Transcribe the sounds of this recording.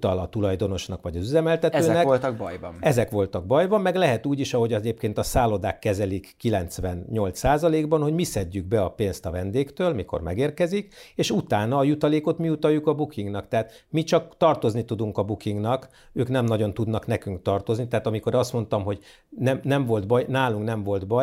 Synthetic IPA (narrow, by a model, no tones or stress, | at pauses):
t̪ɒlɒt̪ulɒjd̪o̞no̞ʃnɒkʋɒɟɒzyzɛmɛlt̪ɛt̪øːnnɛklt̪k̚bjbɒmɛzɛkʋo̞lt̪ɒɡ̚bɒjbɒmːɛɡlɛɦɛt̪uːɟiʃɒɦo̞ɟɒɟeːpkeːnt̪ɒsaːlo̞d̪aːkːɛzɛlikːilɛnt̪sʋɛnɲo̞lt̪saːzɒleːɡbɒnho̞ɟmisɛɟːyɡ̚bɛɒpeːnst̪ɒvɛnd̪eːkt̪øːlmiko̰rmɛ̰ɡeːrkɛzikeːʃut̪aːnɒːjut̪ɒleːko̞t̪miut̪ɒjːukɒbukiŋɡnɒkt̪ɛɦat̪ | mit͡ʃɒkt̪ɒrt̪o̞znit̪ud̪uŋkɒbukiŋɡnɒk | øːknɛmnɒɟo̞nt̪ud̪nɒknɛkyŋkt̪ɒrt̪o̞znit̪ɛaːt̪ɒmiko̞ɾɒst̪mo̞n̪t̪ɒmɦo̞ɟ | nɛmnɛɱvo̞lt̪bɒjnaːluŋknɛɱvo̞lt̪bɒj